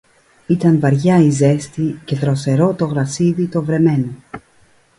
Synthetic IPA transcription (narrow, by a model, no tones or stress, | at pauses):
it̪ɐɱvɐɾʝɐize̞st̪ice̞ðɾo̞se̞ɾo̞t̪o̞ɣɾɐsiðit̪o̞vɾe̞me̞no